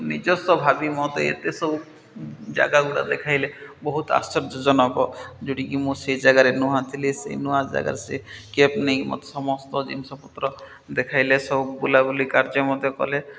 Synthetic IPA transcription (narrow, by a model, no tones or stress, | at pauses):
nid͡ʒɔsɔbʱabimɔt̪eḛt̪esɔbu | d͡ʒa̰ɡaɡuɽa̰d̪ekʰajlebɔɦut̪a̰st͡ʃɔɾd͡ʒɔd͡ʒɔnɔkɔd͡ʒoʈikimũsejd͡ʒaɡaɾenuɦãt̪ʰilisḛjnuɦãd͡ʒa̰ɡa̰ɾesekepnejmɔ̰t̪e̥sɔmɔst̪ɔd͡ʒḭnisɔput̪ɾɔ | d̪ekʰajlesɔbubulabulikaɾd͡ʒɔmɔd̪ʱjɔkɔ̰le